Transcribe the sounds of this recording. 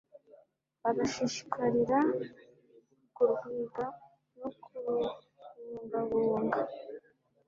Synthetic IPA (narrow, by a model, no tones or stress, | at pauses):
βaɡaʃiʃi̥kʰaɾiɾa | kuɾɡiːɡa | nokʰu | uŋɡaβoːŋɡa